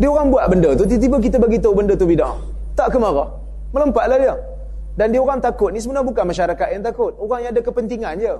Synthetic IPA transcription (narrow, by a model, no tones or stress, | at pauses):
diəoɾaŋbuaʔ̪̚bəndət̪ʊt̪̬it̪̬ibək̬it̪əbaɡit̪əbəndət̪̬ubida̰ŋ | t̪aʔkəmaɾɔ | mələmpaʔ̪̚lahdiə | dandiəoɾaŋt̪akʊt̪̚nis̬əbənabukanmaʃaɾakat̪jaŋt̪akʊt̪̚oɾaŋjãadəkəpənt̪iŋand͡ʒə